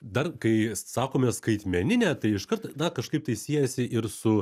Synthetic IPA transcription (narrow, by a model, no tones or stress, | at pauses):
d̪ɐrkɐɪsɑːkoːmʲɛskɐɪt̪ʲmʲɛnʲɪnʲæːt̪ɐɪɪʃkɐɾt̪d̪ɐkɐʃkɐɪp̚t̪ɐɪsʲiɛjɛsʲɪʔɪɾsʊ